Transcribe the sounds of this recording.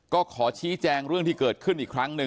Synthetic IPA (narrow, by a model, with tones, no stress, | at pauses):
kɔː˥˩kʰɔː˩˦t͡ɕʰiː˦˥t͡ɕɛː˧ŋɾɯ˥˩əŋt̪ʰiː˥˩kɤː˨˩t̪̚kʰɯ˥˩nʔiː˨˩kʰɾa˦˥ŋnɯ˧